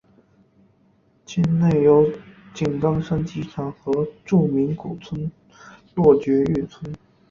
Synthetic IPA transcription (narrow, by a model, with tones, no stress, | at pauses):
t͡ɕʰi˥nne˥˩ɪjo˧˥ʊt͡ɕi˨˩nkɑ˥ŋʂa˥nt͡ɕi˧˥ʈ͡ʂʰɑ˨˩ŋxɤ˧˥ʈ͡ʂu˥˩mi˧˥nku˨˩t͡sʰwə˥n | lwɔ˥˩t͡ɕɥɛ˧˥y˥˩t͡sʰwə˥n